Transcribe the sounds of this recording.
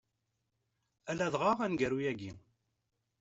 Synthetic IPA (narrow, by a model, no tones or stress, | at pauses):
ælæðʁɑʁænɡæɾujæɡḭ